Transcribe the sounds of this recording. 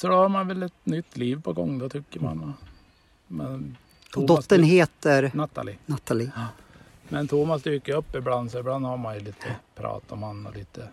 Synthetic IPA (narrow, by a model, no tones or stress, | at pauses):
sɔd̪ɛhaɾmanʋɛlːɛt̪nʏt̪ːliːvpʰɔɡɔŋːd̪ɔt̪ʰʏkːəɾma̰nɔ | mɛn | t̪ʰɔːdɔt̪ːənɦeːt̪əɾnat̪ːa̰lɪnat̪ʰːalɪ | mɛnt̪ʰuːmasd̪yːkəɵpːɪbland̪sɔɪbland̪haɾmanjʊliːt̪ʰəpʰɾɑ̰ːt̪ɔmhanːɔ̰liːt̪ə